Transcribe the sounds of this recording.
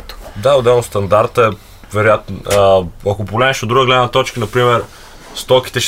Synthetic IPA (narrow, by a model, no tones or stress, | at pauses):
d̪aʊd̪ɛlˠnost̪ɐnd̪aɾt̪əɛ | vɛɾojat̪n | ɐkopolɛɛʃod̪ɾuɡəɡlɛd̪nɐt̪ɔt͡ʃkənɐpɾimɛɾ | st̪ɔki̥t̪ɛʃ